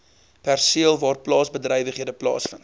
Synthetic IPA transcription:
pærsiəlˠvɑːrplɑːsbədrɛjvəχɦiədəplɑ̰ːsfənt

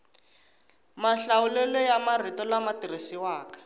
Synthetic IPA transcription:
maɬawulɛlɔjamaritɔlamatirisiwaːkḁ

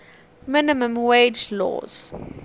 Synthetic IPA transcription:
mɪnɪmə̃mwed͡ʒlɔ̰ːz̥

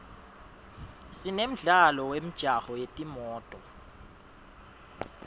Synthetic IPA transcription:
sinem̩ɮalɔwem̩d̥ʒ̥ʱahɔjetʼimɔːtʼɔ

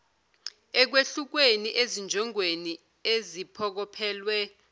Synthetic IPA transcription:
ɛk̬weɬuk̬weniʔezind͡ʒʱɔŋweni | ezipʰɔk̬ɔpʰɛːlwɛ

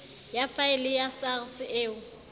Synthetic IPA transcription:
jafaɪlɪjasarsɪʔeːʊ

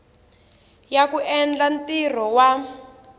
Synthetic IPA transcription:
jakuʔɛnd͡ɮantir̤ɔwa

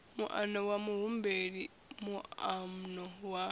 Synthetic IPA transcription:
muʔa̰nowamuɦumbeɺi | muamnowa

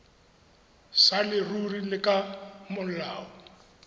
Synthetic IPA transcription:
salɪrurilɪkʼamʊl̩laːɔ

